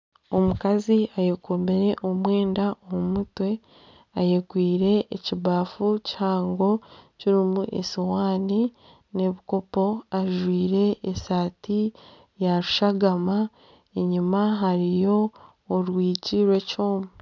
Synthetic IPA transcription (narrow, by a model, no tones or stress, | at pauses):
o̞mukaziajekome̞ɾe̞ʔo̞mweːndaʔomumutwe̞ | ajeɡwiːɾe̞ʔːciβaːfuchaːŋɡo̞ciɾimuʔḛsiwaːni | ne̞βiko̞po̞aʒwiːɾe̞ːsaːti | jaɾuʃaɡama | eɲumaɦaɾijo̞ː | ɾwiːciɾwe̞co̞ːma